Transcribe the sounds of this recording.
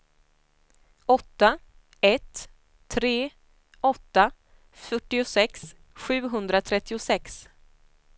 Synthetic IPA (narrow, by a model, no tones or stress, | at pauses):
ɔt̪ːa | ɛt̪ʰː | ɾeː | ɔt̪ːa | fœʈːɪʊsɛks | ɧʉ̟ːɦɵnd̪ɾat̪ʰɾɛt̪ːɪʊsɛks